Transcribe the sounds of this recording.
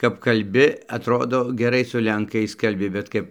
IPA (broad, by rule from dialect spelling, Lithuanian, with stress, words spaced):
kɐp kɐlʲˈbʲɪ ɐtˈroːdoː ɡʲɛˈrɐɪ sʊ lʲɛŋˈkɐɪs kɐlʲˈbʲɪ bʲɛt ˈkɐp